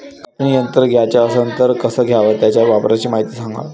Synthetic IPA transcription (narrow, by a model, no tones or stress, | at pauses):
kətnijənt̪əɾɡʱjat͡ɕjaəsənt̪əɾkəsəːɡʱjaʋət̪jat͡ɕjaʋapɾat͡ɕiːmaɦit̪iːsãŋɡa̰ʋ